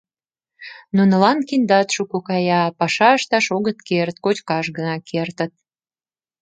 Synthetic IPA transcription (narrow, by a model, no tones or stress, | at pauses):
nunə̆lɑnkind̪ɑt̪ʃukokɑjɑpɑʃɑəʃt̪ɑʃoɣət̪kert̪kot͡ɕkɑʃɣənɑkʰert̪ə̆t̪̚